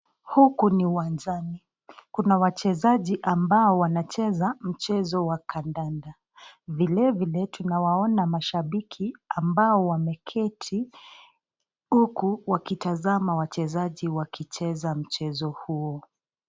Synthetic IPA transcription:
hukuniuwand͡ʒani | kunawat͡ʃɛzaʄiʔambaɔwanat͡ʃɛzam̩t͡ʃɛzɔwakʰandanda | vilɛvilɛtunawaɔnamaʃaɓikʰiambaɔwamɛkʰɛtʰi | hukuwakitazamawat͡ʃɛzaʄiwakit͡ʃɛzam̩t͡ʃɛzɔhuɔ

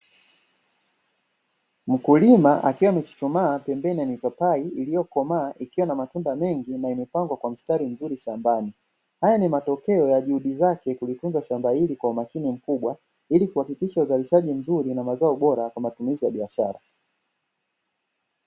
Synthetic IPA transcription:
m̩kulimaʔa̰kiwamɛt͡ʃi̥t͡ʃumaːpɛmbɛnijamipapaiilijɔkɔmaːʔikiwanamatundamɛŋɡinaimɛpaŋɡwakwam̩staɾim̩zuɾiʃambani | hajanimatɔkɛɔjaʄuhuɗizakɛkulitunzaʃambailikwaumakinim̩kuɓwa | ilikuhakikiʃauzaliʃaʄim̩zuɾinamazaɔɓɔɾakwamatumizijaɓiaʃaɾa̰

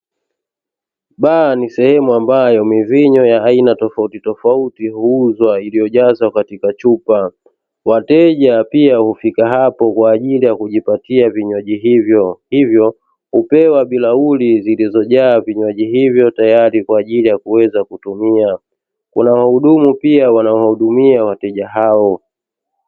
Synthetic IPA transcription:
ɓanisɛhɛmuambajɔmiviɲɔjaːinatɔfautitɔfautihuːzwailijɔʄazwakatikat͡ʃupa | watɛʄapiahufikaɦapɔkwaːʄilijakuʄipatiaviɲwɔʄiɦivjɔhivjɔ | hupɛwaɓilaulizilizɔʄaːviɲwaʄiɦivjɔtajaɾikwaːʄilijakuwɛzakutumia | kṵnawahuɗumupiawanaɔwahuɗumiawatɛʄaɦaɔ

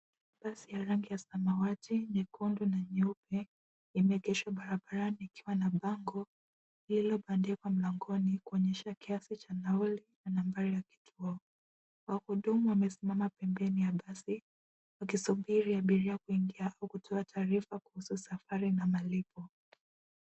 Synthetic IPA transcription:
ɓasijaɾaŋɡijasamawatiɲɛkundunaɲupɛ | imɛɛɡɛʃwaɓaɾaɓaɾaniːkiwanaɓaŋɡɔ | ililɔɓandɛkwam̩laŋɡɔnikuɔɲɛʃakiasit͡ʃanaɔlinanambaɾijaki̥tʰuɔ | wahuɗumuwamɛsimamapɛmbɛnijaɓasi | wakisuɓiɾiaɓiɾiakuiŋɡiaʔaukutʰɔatʰaːɾifakuhususafaɾinamalipɔ

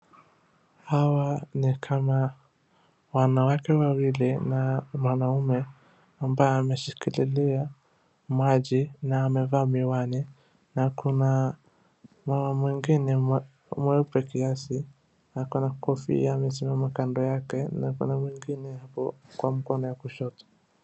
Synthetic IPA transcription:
hawanikʰama | wanawakɛwawilinamwanaumɛ | ambajɛamɛʃikililia | mwaʄinaːmɛvaːmiwani | nakuna | mamamwiŋɡinɛm | mwɛupɛkiasi | nakɔnakɔfḭamɛsimamakandɔjakɛnakṵnamwiŋɡinɛhapɔ̰kwam̩kɔnɔjakuʃɔtɔ̥

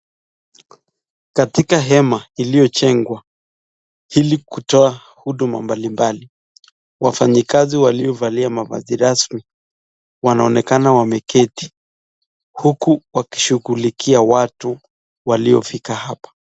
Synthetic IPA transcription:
katikaɦɛmailijɔt͡ʃɛŋɡwa | hilikutɔa | huɗuma̰mbalimbali | wafaɲikaziwaliɔvaliamava̰ziɾasmi | wanaɔnɛkanawamɛkʰɛti̥ | hukuwaki̥ʃuɣulikʰiawatu | waliɔ̰fikahapḁ

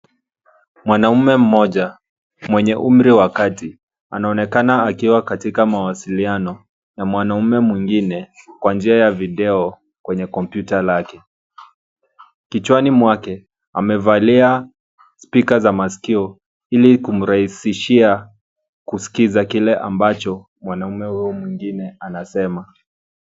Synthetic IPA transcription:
mwanamɛm̩mɔʄa | mwɛɲɛʔum̩ɾiwakati | a̰naɔnɛkanaːkiwakatikamawasilianɔ | jamwanaumɛmwiŋɡinɛkwand͡ʒiajaviɗɛɔ | kwɛɲɛkɔmpjutalakɛ | kit͡ʃwanimwakɛ | a̰mɛvalia | spikazamasi̥kiɔ | ilikum̩ɾahisiʃia | kusi̥kizakilɛʔa̰mbat͡ʃɔ | mwanaumɛhuɔmwiŋɡinɛanasɛma

